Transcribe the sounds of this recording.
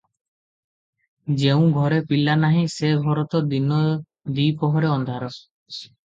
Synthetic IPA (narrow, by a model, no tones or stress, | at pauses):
d͡ʒew̃ɡʱɔɾepilːanaɦĩseɡʱɔɾɔt̪ɔd̪inɔ | d̪ijpɔɦɔɾeɔnd̪ʱaɾɔ